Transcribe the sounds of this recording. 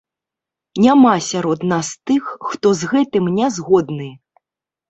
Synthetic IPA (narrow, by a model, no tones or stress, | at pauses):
nʲamasʲaɾɔd̪nast̪ɨxːt̪ɔzɣɛt̪ɨmnʲazɣɔd̪nɨj